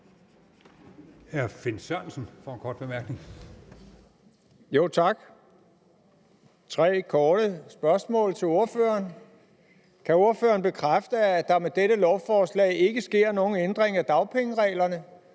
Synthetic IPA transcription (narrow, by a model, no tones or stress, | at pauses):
æɐfe̝nsænsn̩fɒenkʰɒːd̥̚b̥e̝mæɐɡ̥ne̝ŋ | jo̝̰ːt͡sʰɑ̈ɡ̥ | t͡sʰʁɛ̰ːkʰɒːɾ̥əsb̥ɶɐsmɔ̰̽ːlt͡sʰe̝lo̝ɐfø̰ːɐːn | kʰæo̝ɐføːɐnb̥e̝kʰʁafd̥əæd̥ɑ̈med̥eɾəlɒʊfɒːslɛ̰ːɪe̝ɡ̥əsɡ̥e̝ɐ̰no̝ːn̩end̥ʁeŋæd̥ɑ̈ʊpʰeŋəʁɛ̰ːlɐnə